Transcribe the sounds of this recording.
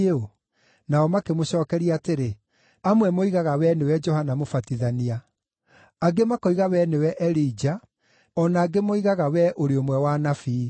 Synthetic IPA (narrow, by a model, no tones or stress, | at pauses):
o | naɔmakemoɕɔːkɛɾiaːteɾe | amwɛmoiɣaɣawɛnewɛd͡ʒɔhanamofatiðania | aɡemakoiɣawɛnewɛʔɛɾiːd͡ʒa | ɔnaːɡemoiɣaɣawɛʔoɾeomwɛwanafiː